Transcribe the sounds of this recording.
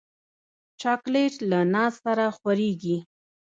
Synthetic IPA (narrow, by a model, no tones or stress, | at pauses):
t͡ʃɑkleʈlanɑssaɾaxwaɾeɡi